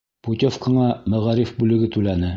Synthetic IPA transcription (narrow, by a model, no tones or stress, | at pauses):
put̪ʲofkɤ̆ɴɑmæʁæɾifbʉlɘ̆ɡɘt̪ʉlænɘ